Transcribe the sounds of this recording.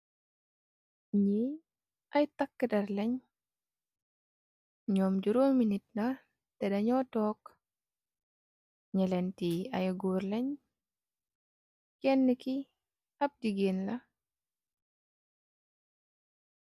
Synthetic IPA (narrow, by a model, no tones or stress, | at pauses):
ɲi | ʔɐjtɐkːədɐɾlɛɲ | ɲɔːmd͡ʒuɾoːŋminit̚nɐ | tɛdɐɲɔtɔːk | ɲɐlɛntiɐ̰jɡuːɾlɛɲ | kɛnːəki | ɐp̚diɡeːnlɐ